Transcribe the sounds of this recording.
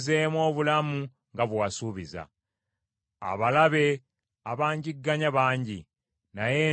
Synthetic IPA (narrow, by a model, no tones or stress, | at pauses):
zeːmwo̞ːβulamu | ŋɡaβwasuːβiza̰ | a̰βalaβe̞ | aβaːɲɟiɡːaɲaβaːɲɟi | naje